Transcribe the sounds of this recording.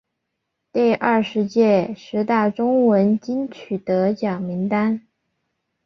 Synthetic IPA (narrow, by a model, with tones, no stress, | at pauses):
t̪i˥˧ɪʔɐ˥˩ʂɻ̩˧˥t͡ɕjɛ˥˩ʂɻ̩˧˥t̪a˥˩ʈ͡ʂʊ˥ŋwə˧˥nt͡ɕi˥nt͡ɕʰy˨˩t̪ɤ˧˥t͡ɕjɑ˨˩ŋmi˧˥ŋt̪a˥n